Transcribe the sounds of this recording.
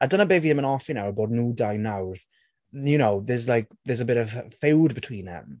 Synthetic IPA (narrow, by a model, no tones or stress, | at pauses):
adənabeːviðɪ̃mə̃nɔfinawəboːdⁿnuːdajnawð | jənowðɛzlajk̚ðɛzəbɪɾəv̥fewdbətʰw̥iːnðɛ̰m